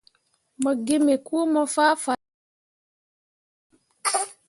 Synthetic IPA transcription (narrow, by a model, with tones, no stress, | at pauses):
mə˨ɡe˦me˨kuː˦mə˦fa˦fa˨